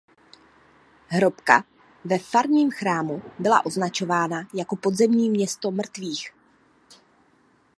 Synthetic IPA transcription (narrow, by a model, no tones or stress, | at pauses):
ɦɾo̞pka̰ | vɛfaɾɲiːmxɾaːmubɪla̰ʔo̞znat͡ʃo̞vaːnajako̞po̞d̪zɛmɲiːmɲɛst̪o̞mr̩t̪viːx